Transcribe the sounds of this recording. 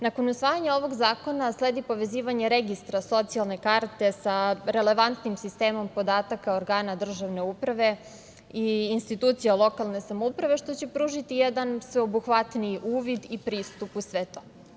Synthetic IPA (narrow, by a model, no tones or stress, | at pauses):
nako̞nusʋaːjaɲao̞ʋo̞ɡzaːko̞nasled̪ipo̞ʋe̞ziːʋaɲeɾeɡist̪ɾaso̞t̪sialˠne̞kaɾt̪e̞saɾe̞le̞ʋant̪nimsist̪eːmo̞mpo̞d̪aːt̪akaoɾɡaːnad̪r̩ʒaʋne̞upɾaʋe̞ | iːnst̪it̪uːt̪sijalˠo̞kalˠne̞samoupɾaʋe̞ʃt̪o̞t͡ɕe̞pɾuːʒit̪ijed̪ansʋeobuxʋat̪niʔuːʋid̪ipɾiːst̪upusʋet̪o̞